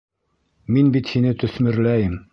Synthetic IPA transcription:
minbit̪hinɘt̪ɵ̆smɘ̆ɾlæjɘm

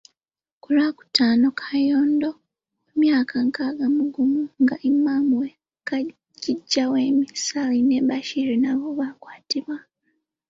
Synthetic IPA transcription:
kulaku̥taːno̞kʰajoːndo | emjaːkʰaŋkaɡamuɡumuŋɡaʔimːaːmuwe | ka | ɟiɟːaweːmisalineβaʃiɾinaβoβakwaːtiβwa

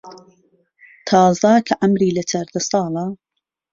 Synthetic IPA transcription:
t̪ʰɑːzɐkʰɐʔɐmɾiːlɐt͡ʃʰɐɾd̪ɐsɑːlˠɐ

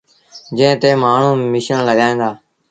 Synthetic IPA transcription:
d͡ʒẽːt̪eːmaːɳ̤ũːmɪʃəɳləɠaːẽːd̪aː

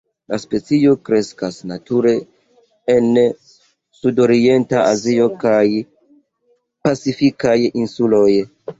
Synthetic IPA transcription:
laspe̞t͡sio̞kɾe̞skasnatuɾe̞ | en | sudo̞ɾie̞ntaʔazio̞kaj | pat͡sifikajinsulo̞j

